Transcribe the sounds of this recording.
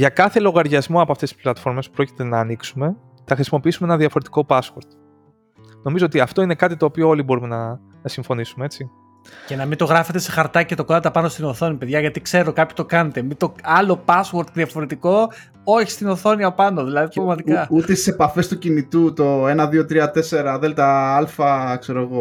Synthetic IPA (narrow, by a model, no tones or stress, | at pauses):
ʝɐkɐθe̞lo̞ɣɐɾʝɐzmoɐpoɐft̪et̪i̥splɐt̪fo̞ɾmespɾo̞ci̥t̪e̞nɐːniksume̞ | θɐxɾisimo̞piisumeenɐðiɐfo̞ɾe̞t̪iko̞pɐswoɾt̪ | no̞mizo̞ot̪iɐft̪o̞ine̞kɐt̪it̪oːpioo̞libo̞ɾumenɐ | siɱfo̞nisumee̞t͡si | ce̞nɐmint̪oɣɾɐfe̞t̪e̞se̞xɐɾt̪ɐcet̪o̞kod̪ɐt̪ɐpɐnost̪ino̞θo̞nipe̞ðʝɐʝɐt̪ikse̞ɾokɐpço̥t̪o̞kɐne̞t̪e̞mit̪o̞ɐlo̞pɐswoɾt̪ðiɐfo̞ɾet̪iko̞ | o̞çi̥st̪ino̞θo̞niɐpɐno̞ðilɐðit̪ppɐvmɐt̪ikɐust̪est̪i̥se̞pɐfe̞st̪ucinit̪ut̪o̞enɐðiot̪ɾiɐt̪e̞se̞ɾɐðelt̪ɐɐlfɐkseɾoɣo